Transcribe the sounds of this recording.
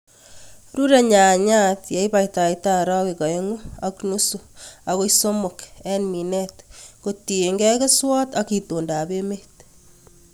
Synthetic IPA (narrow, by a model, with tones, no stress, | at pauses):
ɾuɾe˨ɲa˨ɲa˦tja˨ibajta˨ita˦ɾɔ˦ke˨kɔ˨eŋu˦a˦knusua˨ɣo˦iso˦mokɛ˦nmi˨nɛt̪koti˨e˨ŋɡɛ˦ke˦swɔ˦t̪a˦ki˨to˨nda˨be˦met